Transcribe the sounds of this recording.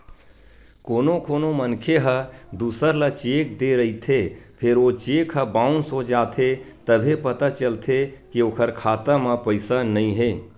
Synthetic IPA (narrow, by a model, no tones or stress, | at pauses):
koːnokoːnomənkʰeɦəd̪usəɾlət͡ʃek̚d̪eɾəɦit̪ʰepʰeɾot͡ʃekʰɦəbãːunsod͡ʒaːt̪ʰet̪əbʱepət̪at͡ʃəlt̪ʰekioːkʰəɾkʰaːt̪əmə̃pəɪsanəĩɦe